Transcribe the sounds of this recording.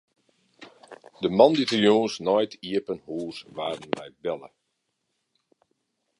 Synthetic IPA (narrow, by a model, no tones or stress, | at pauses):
dəmɑnditərjõːnsnɔjtʰiəpənhuːsʋaːdən̩ʋɛjbɛlə̰